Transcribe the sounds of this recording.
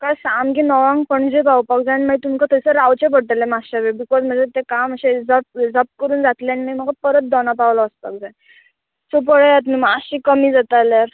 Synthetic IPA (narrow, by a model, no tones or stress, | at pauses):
kasamkinɔʋãŋɡpəɳd͡zepawpak̚d͡zaanimait̪umkat̪əsəɾawt͡ɕep̬əɽt̪əlemasɕaʋebikɔzm̤əd͡zet̪ekaməɕed͡zəp̚d͡zəp̚kəɾuːnd͡zat̪leaninajm̤əɡapəɾət̪̚d̪ɔnapawlɔəspa̰k̚d͡zã | sop̬əɭəjat̪nəmaaɕĩkəmiːd͡zat̪alaɾ